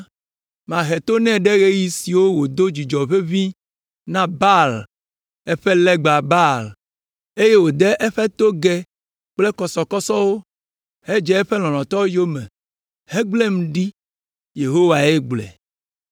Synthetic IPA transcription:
mã˨ɦe˨t̪o˦nɛ̃˦ɖɛ˦ɣe˦ji˦si˨wo˦wo˨d̪o˦d͡ʑi˨d͡ʒɔ˨ɸe˦vi˦ | nã˦ba˦l | ɛ˦ɸɛ˦lɛ˦ɡ͡ba˨ba˦˨l | e˦je˦wo˨d̪ɛ˦ʔɛ˦ɸɛ˦t̪o˦ɡɛ˦ | k͡plɛ˦kɔ˨sɔ˨kɔ˦sɔ˦wo˦ | he˦d͡ʒɛ˦ɛ˦ɸɛ˦lɔ̃˨lɔ̃˨t̪ɔ˦wo˦jo˦mɛ̰̃˨ | hɛ˦ɡ͡ble˦mũ˨ɖi˦ | je˨ɦo˦wa˨e˦ɡ͡blɛ̰˨

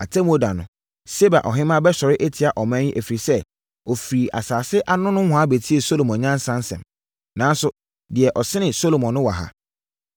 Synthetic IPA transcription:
a˨tʰɛ˦mo˦da˨nʊ̃˨ | se˦ba̰˨ʔɔ̰˨ɦɪ̃˦mã˦bɛ˦ɕɔ˨ɾɪ˦ʔe˦tʰi˨a˨ʔɔ˨mæ̃˦ɲi˦ʔæ˨fi˨ɾi˨sɛ˦ | ɔ˨fi˨ɾi˨ʔa̰˨saː˨sɪ˦ʔa˦nʊ̃˦nʊ̃˦hʷʊ̃˨a˦be˨tʰi˦e˨so˦lo˨mɔ̃˨ɲã˦n˦sã˦n˦sɛ̰̃˨m | nã˨n˦sʊ˦ | dɪ˨ɛ˨ʔɔ˨sɪ˦nɪ̃˨so˦lo˨mɔ̃˨nːʊ̃˦wa̰˨ɦa̰˦

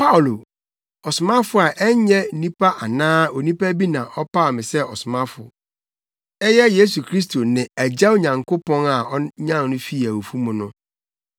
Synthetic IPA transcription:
pa˦˨lo˨ | ɔ˨sʊ˨mã˦fʊ˨˦a˨ʔɛ˦ɲɛ˦nĩ˦pʰa˦ʔa˨nãː˦o˨nĩ˦pa˦bi˦nã˨ʔɔ˦pa˦ɔ˨mɪ̃˨sɛ˦ɔ˨sʊ˨mã˦fʊ̰˨ | ɛ˦jɛ˦je˦su˨kʰɾi˦s̬tʰo˨nɪ̃˨æ˨d͡ʑa˦wo˦˨ɲã˨ŋkʰo˦pɔ̃˦na˨ɔ˦ɲã˦˨nnʊ̃˦fi˦˨æ˨wo˨fu˦mʊ̃˨nʊ̃˦

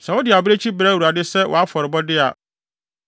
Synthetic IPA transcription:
sɛ̃˨wɔ˦dɪ˨a˨bɪ˦ɾe˦t͡ɕʰi˦bɾɛ˦˨wu˨ɾa˨dɪ˦sɛ˦wʔɔ̰˨a˦fɔ˨ɾɪ˨bɔ˦dɪ˦a˨

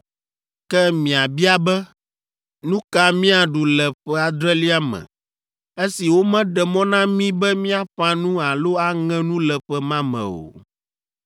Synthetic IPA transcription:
kɛ˦mĩ˨a˨bi˦a˦bɛ˦ | nũ˦ka˦mĩ˦a˨ɖu˨lɛ˨ɸɛ˦a˨d̪ɾɛ˦li˦a˦mɛ̰̃˨ | e˦si˨wo˦mɛ̃˦ɖɛ˨mɔ̃˦nã˦mĩ˦bɛ˦mĩ˦a˦ɸã˦nũ˦a˨lo˦a˦ŋɛ̃˦nũ˦lɛ˨ɸɛ˦mã˦mɛ̰̃˨o̰˨

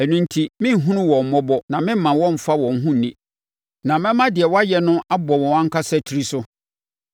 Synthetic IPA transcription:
ɛ˨nũ˦n˦tʰi˦mɪ̃˦˨ɦũ˦nũ˦wɔ̃˨m̩˨mɔ˦bɔ˦nã˨mɪ̃˦m̩˦mã˨wɔ̃˦m̩˨fa˦wɔ̃˨ŋ̩˦ɦũ˦˨nĩ˦˨ | nã˨mɛ̃˦mã˦dɪ˨ɛ˨wɔ˦a˦jɛ˦nʊ̃˦ʔa˦bɔ˨wɔ̃˨wã˦ŋ̩˦kʰa˦sɛ˦tʰi˨ɾi˦sʊ˦

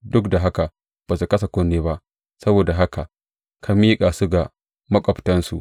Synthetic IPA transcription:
dʊ˦kda˨ɦa˦ka˨ | b̥a˨su˨kɐ˦s̬a˨kʷʊ˦nːeː˦ba˦ʔ | sɐ˦boː˨da˨ɦa˦ka˨ | kʰa˦miː˦kʼaː˨su˦ɡa˨ | mɐ˦kʷʼɔ˨btɐ˦nsṵ˨ʔ

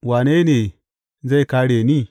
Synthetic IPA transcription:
waː˨ne˦ne˨ | za˦jka˦ɽe˨ni˦˨

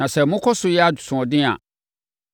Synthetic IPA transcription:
ã˨sɛ˨mʊ̃˦kʰɔ˦sʊ˨jɛ˦a˦d͡ʑʊ˨sʊ̃˨ɔ˨dɪ̃˦a̰˨

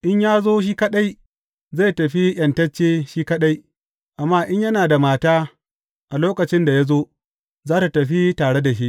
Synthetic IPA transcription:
ʔɪ˦ɲjaː˦zoː˦ʃ̬iː˦kɐ˦ɗa˦j | za˦˨jtɐ˨ɸi˦jɐ˨ntɐ˦t͡ʃːeː˦ʃiː˦kɐ˦ɗa˦j | ʔa˨mːaː˦ʔɪ˦ɲjɐ˦naː˨da˨maː˨taː˦ | ʔa˨loː˦kɐ˨t͡ʃɪ˦nda˨ja˦zoː˦ | zaː˦ta˨tɐ˨ɸi˦taː˨ɽe˦da˨ʃi˦ʔ

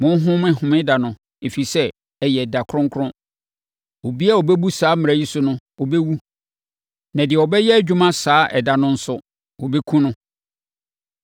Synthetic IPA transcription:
mʊ̃˦n˦ɦʊ̃˦mɪ̃˦hʊ̃˨mɪ̃˦da˨nʊ̃˨ | e˨fi˨sɛ˦˨ | jɛ˨da˨kʰʊ˦ɾʊ̃˦ŋkʰʊ˦ɾʊ̃˦ | o˨bi˦a˦ɔ˨bɛ˦bu˦saː˨˦mɪ̃˨a˨ji˦sʊ˦nʊ̃˦ɔ˨bɛ˦wu˦ | nã˨dɪ˨ɛ˨ɔ˨bɛ˦jɛ˦æ˨d͡ʑᶣu˦mã˦saː˨˦ʔɛ̰˨da˨nʊ̃˦n̩˦sʊ˦ | wɔ˨bɛ˦kʰũ˦nʊ̃˦

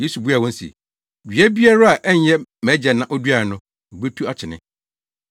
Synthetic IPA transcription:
je˦su˨bu˦a˨wɔ̃˦n̩˦sḭ˨ | dɥæ˦bi˦a˦ɾa˦a˨ʔɛ˦ɲ˦jɛ˦mæ̃˨˦d͡ʑɛ˨nã˦ʔɔ˦du˦a˨ɾɪ˨nʊ̃˦ | m̩˨be˦tʰu˦a˦t͡ɕʰɪ˨nɪ̰̃˦

